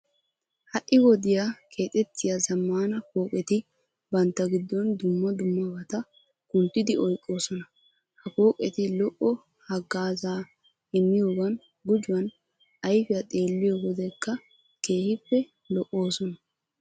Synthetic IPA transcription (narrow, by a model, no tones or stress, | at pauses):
hɐʔːɪwɔd̪ɪjakʰe̞ːt̪ʼɛt̪ːɪjazɐmːaːnɐko̞ːkʼɛt̪ɪ | bɐnt̪ːɐɡɪd̪ːɔnd̪ʊmːɐd̪ʊmːɐbɐt̪ɐ | kʊnt̪ːɪd̪ɪɔjkʼːo̞ːsɔnɐ | hɐko̞ːkʼɛt̪ɪlɔʔɔ | hɐɡːaːzaː | ɛmːɪjo̞ːɡɐn | ɡʊd͡ʒʊɐn | ɐjfɪjɐt̪ʼe̞ːlːɪjoːɡɔd̪ɛkːɐ | ke̞ːhɪpːɛ | lɔʔo̞ːsɔnɐ